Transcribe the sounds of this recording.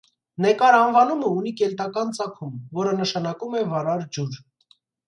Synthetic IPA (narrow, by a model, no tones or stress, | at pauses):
nɛkɑɾɑnvɑnuməunikɛlt̪ɑkɑnt͡sɑkʰumvɔɾənəʃɑnɑkumɛvɑɾɑɾd͡ʒuɾ